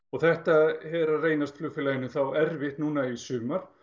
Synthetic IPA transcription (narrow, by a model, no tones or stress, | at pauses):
ɔɣθɛht̪ahɛɾareːjnast̪flʏfɪlaːjɪnʏθawɛɾvɪht̪nuːnaisʏːmaɾ̥